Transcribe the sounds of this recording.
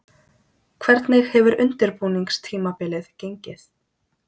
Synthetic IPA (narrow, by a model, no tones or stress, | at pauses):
kʰvɛɾt̪nɪxhɛvʏɾʏ̰nt̪ɪɾpuːniŋkst̪ʰiːmapɪːlɪðcejɲcɪθ